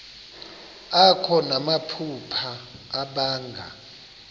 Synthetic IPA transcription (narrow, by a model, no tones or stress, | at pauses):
akʰɔnamapʰupʰaːɓaːŋɡʱa̰